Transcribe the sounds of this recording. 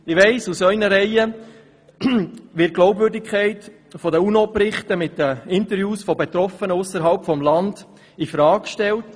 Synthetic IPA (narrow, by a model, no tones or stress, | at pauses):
ɪʋɛɪsusœʏnəɾɛɪə | ʋɪt̚ɡ̥lɔʊbvʏɾdɪkʰχɛɪt | fɔdəunopɾɪχtəmɪtdəɪntəɾjuːsfɔbet̪ɾɔfənəʊsəɾɦɑlpfɔmlɑnd | ifɾɑːkʃtɛlt